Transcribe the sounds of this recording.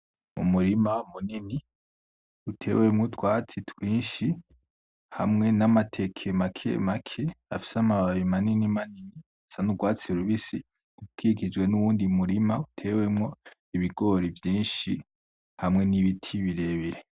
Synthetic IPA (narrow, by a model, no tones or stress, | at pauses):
mṵmuɾimamunini | utʰe̞̰wemŋutwaːt͡sitwiːnʃi | ha̰mŋe̞namatʰekʰemakʰḛmakʰea̰fi̥seamaβaβimaninimanini | sanuɡwaːt͡siɾuβisi | ukikid͡ʒwe̞nuwuːndimuɾimautʰe̞wemŋo̞ | iβiɡo̞ɾivjiːnʃi | hamŋe̞niβitʰiβiɾeːβiɾe